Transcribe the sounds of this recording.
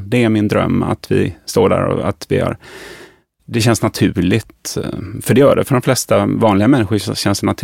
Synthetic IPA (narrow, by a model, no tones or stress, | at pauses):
d̪ɛæɾmɪnd̪ɾœ̰mːa̰t̪vɪ̰st̪oːɖæ̰ːɾɔ̰a̰t̪vɪha̰ɾ | d̪ɛɕɛnsnat̪ʰʉ̟ːɭɪt̪fœɖɛjœːɖɛfœɖɔmflɛst̪avɑːnlɪɡamɛnːɪɧʊɕɛnsnat̪ʰ